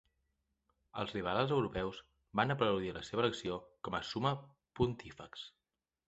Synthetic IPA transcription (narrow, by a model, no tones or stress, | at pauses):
ə̰lˠzriβ̞alˠzəwɾupɛwz | banəpɾəwðiləseβələksiokɔməsumə | punt̪ifə̰ks